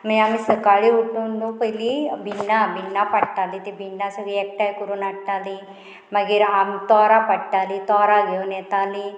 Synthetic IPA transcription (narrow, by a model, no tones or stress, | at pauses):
mẽamĩsəkaːɭiuʈːõnd̪ũpəilibinːabɪnːapɐʈʈaːlit̪ibinːasuɡiek̚ʈakuɾunaʈːaːli | mɐɡiɾamt̪ɔːɾapɐɽʈːaːlit̪ɔːɾaɡeoneːt̪aːli